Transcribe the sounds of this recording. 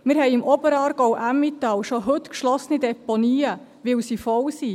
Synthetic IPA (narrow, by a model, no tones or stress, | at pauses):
mɪːɾɦɛjɪmʔɔbəɾɑːɾɡ̥ɔwʔæmːit̪ɑwʃɔɦɵt̪kʃlɔsnidɛpɔniːə | ʋɪwsifɔwsi